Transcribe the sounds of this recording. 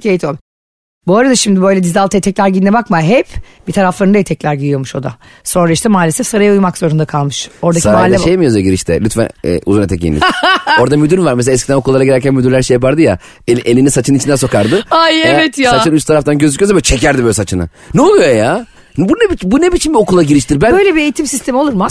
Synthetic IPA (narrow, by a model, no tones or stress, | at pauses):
cʰejit̪ʰolʲ | boːɾad̪aʃimd̪ibø̞jlʲɛd̪izalˠt̪ʰaet̪ʰɛcʲlʲæɾɟinːɛbakmaɦɛpb̥it̪ʰaɾaflˠaɾnaet̪ʰɛclʲæɾɟid̪ijo̞muʃo̞d̪a̰ | so̞nɾaiʃt̪ɛmaːlʲesɛfsaɾajaujmakz̥o̞ɾund̪akʰalˠmɯʃo̞ɾd̪asaimalʲɛʃejmijozeɟiɾiʃt̪ʰɛ̰lʲyt̪fæ̰n̰ʔṵzunet̪ʰɛcːḭnḭo̞ɾd̪amyd̪yɾvaɾmes̬elʲaɛs̬cid̪æno̞kʰulˠːaɾaɡɟiɾæɾcʰʲænmyd̪yɾlʲæɾʃejapaɾd̪ɯja̰ | elʔelʲinisat͡ʃʰɯnit͡ʃind̪ænso̞kaɾd̪ɯajevɛt̪jasat͡ʃɯnyst̪t̪ʰaɾaft̪anɟøzycʰyjozamat͡ʃʰe̞cæɾd̪ibøjlʲɛsat͡ʃʰɯna̰ | nɛolˠujojaː | bunebit͡ʃbunebit͡ʃʰinbio̞kulˠaɟiɾiʃt̪iɾbænbøjlʲebie̞jit̪imsist̪ʰe̞miouɾma